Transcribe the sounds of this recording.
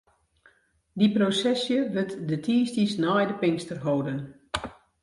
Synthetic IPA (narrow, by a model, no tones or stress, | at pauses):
diprosɛsjəʋøtdətʰiːstiəsnaːjdəpɪnstərɦowdən